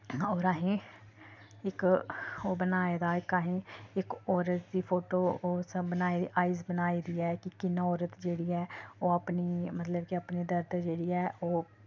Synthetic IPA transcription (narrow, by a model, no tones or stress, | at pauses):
ɔːɾaːɦẽː | ɪkoːbənaːeːd̪aːɪkaːɦẽːɪkɔːɾət̪̚d̪iːpʰoːʈoːoːsbənaːiʔaːiːzbənaːiːd̪iːɛːkɪkɪnãːɔːɾət̪d͡ʒeːɽiːɛːoːəpniːmət̪ləbkiəpniːd̪əɾd̪d͡ʒeːɽiːɛːoː